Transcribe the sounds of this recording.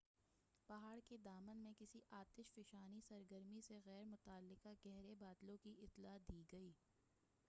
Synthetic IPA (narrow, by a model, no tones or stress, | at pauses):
pɐɦaːɽked̪aːmənmẽkɪsiʔaːt̪ɪʃfɪʃaːnisɐɾɡəɾmiseɣɛːɾmʊt̪aːlːɪqaɡɛɦɾebaːd̪lõkiʔɪt̪laːd̪iːɡɐiː